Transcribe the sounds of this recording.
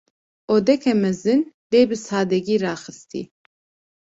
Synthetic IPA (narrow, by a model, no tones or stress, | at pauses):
oːd̪ɛkʰɛmɛzɨnd̪eːbɨsɑːd̪ɛɡiːɾɑːxɨst̪ḭː